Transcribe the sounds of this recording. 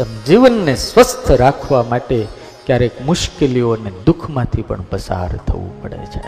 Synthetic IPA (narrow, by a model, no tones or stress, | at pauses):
t̪əmd͡ʒiʋənːesʋəst̪ʰəɾakʰʋamaʈe | kjaɾekmʊʃkelioned̪ukʰmãt̪ʰipə̰ɳpəsa̰ɾt̪ʰə̰ʋṵ̃pəɽḛt͡ʃʰe